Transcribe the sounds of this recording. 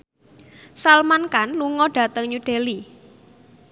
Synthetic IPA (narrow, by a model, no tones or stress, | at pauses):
salmankanluŋɔɖ̥a̤t̪əŋɲuɖ̥e̤li